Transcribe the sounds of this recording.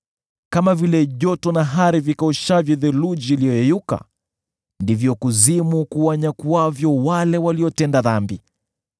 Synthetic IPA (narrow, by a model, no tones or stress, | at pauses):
kamavilɛʄɔtɔnaɦaɾivikaɔʃavjɔðɛlud͡ʒiːlijɔjɛjuka̰ | ndivjɔkuzimukuaɲakuavjɔwalɛwaliɔtɛndaðambi